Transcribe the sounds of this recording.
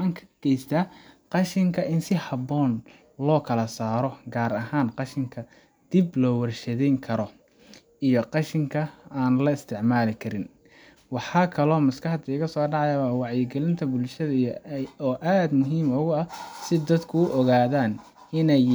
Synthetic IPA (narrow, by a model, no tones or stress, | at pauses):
aːŋkʰɐ̥ɡ̥ɛjst̪ʰaːqɑʃɪŋkʰɐʔɪnsɪhɐbɔːn | lɔːkʰɐlɐsaːɾɔɡaːɾɐɦaːnqɑʃɪŋkʰɐ | d̪̥ɪblɔːwɐrʃɐðɛjŋkʰɐɾɔ | ijɞqɑʃɪŋkʰɐaːnlɐɪst̪ʰɪʕmaːlɪkʰɐɾɪn | wɑħɑːkʰɐlɔːmɐskɐħd̪ːɣɐsɔːɖɑʕɑjɐwaːwɑʕjɪɡɛlɪnt̪ʰɐbʊlʃɐðɐɔːʔaːd̪mʊɦiːmʊɣʊɐsɪd̪ɐd̪kʰʊʊʔɔɣaːðaːn | ɪnɛj